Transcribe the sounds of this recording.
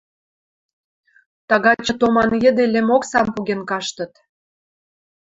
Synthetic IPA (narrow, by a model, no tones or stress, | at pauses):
t̪ɑɣɑt͡ɕə̆t̪omɑnjə̆d̪elĕmoksɑmpuɣenkɑʃt̪ə̆t̪